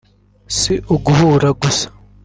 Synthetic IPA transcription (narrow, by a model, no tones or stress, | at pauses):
siʔuɡuhuːɾaɡusḁ